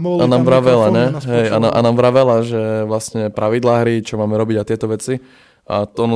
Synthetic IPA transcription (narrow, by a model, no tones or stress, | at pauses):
anaːmʋɾaʋɛlaɲɛɦɛjanaʔa̰naːmʋɾaʋɛlaʒɛʋlasɲɛpɾʔaʋid̪laːɦɾit͡ʃɔmaːmɛɾɔbiɟat̪ɪɛt̪ɔʋɛt͡si | ʔa̰ɔnɔ